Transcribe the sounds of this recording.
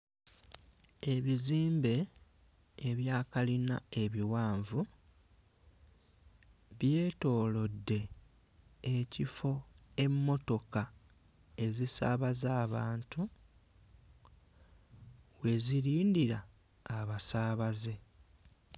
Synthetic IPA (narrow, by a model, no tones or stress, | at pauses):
e̞βiziːmbe̞ː | βjaːkalina̰e̞βiwaːɱvu | βje̞ːto̞ːlo̞dːe̞ː | cifo̞e̞mːo̞to̞ka | e̞zisa̰βazaːβaːntu | we̞ziɾiːndiɾaː | βasaːβaze̞